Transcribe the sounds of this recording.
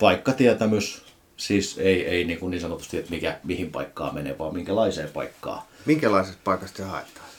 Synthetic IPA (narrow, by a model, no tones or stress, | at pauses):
pɑikːɑt̪iæt̪æmys | siːseieiniːŋkuniːnsɑnot̪u̥st̪iet̪mikæmihimpɑ̰ikːɑ̰ːmenḛˑʋɑːmiŋkælɑiseːpɑ̰ikːɑ̰ːmiŋkælɑˑisest̪̚pɑˑikɑst̪sehɑ̰ˑet̪ːˑɑ̥ː